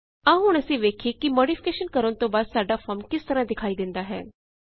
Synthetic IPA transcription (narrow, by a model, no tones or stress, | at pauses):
aːɦʊɽ̃əsĩːʋeːkʰiːkimoːɖipʰɪ̥keːʃənkəɾənt̪õːbaːd̪saːɖaːpʰɔːɾmkɪst̪əɾãːd̪ɪkʰaːiːd̪ɪ̃nd̪aːɦɛ̰ː